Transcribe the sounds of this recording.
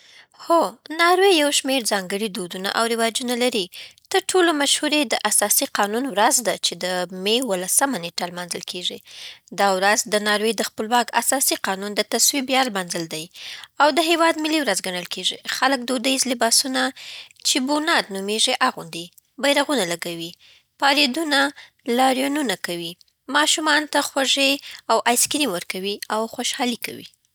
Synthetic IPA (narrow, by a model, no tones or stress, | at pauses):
xonɑɾwejawʃmeɾzɑŋɡəɽid̪od̪una̰ʔawɾɪwɑd͡ʒunalaɾit̪əɾʈʰolomaʃhuɾed̪əʔasɑsiqɑnunwɾazd̪at͡ʃed̪əmewəlasəmaneʈalmɑnzəlkʰeʐid̪ɑwɾazd̪ənɑɾwed̪əxpəlwɑka̰sɑsiqɑnund̪ət̪aswibjɑlmɑnzəld̪ajawd̪əɦewɑd̪mɪliwɾazɡaɳəlkeʐixaləkd̪od̪əizlɪbɑsunat͡ʃebunɑd̪numeʐeʔaɣund̪e | bajɾaɣunalaɡawi | pɑɾed̪una | lɑɾjonunakawi | mɑʃumɑnt̪axwaʒeawʔajskɾimwəɾkawiawxoʃhɑlika̰wḭ